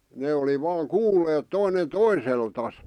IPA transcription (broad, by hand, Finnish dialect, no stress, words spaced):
ne oli ʋɑːŋ kuːlːeːt toinen toiseltɑs